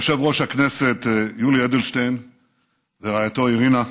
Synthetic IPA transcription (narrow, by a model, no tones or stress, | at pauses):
ʃavʁo̞ʃhakne̞se̞t̪julied̪elʃtejn | zeʁajat̪o̞iʁina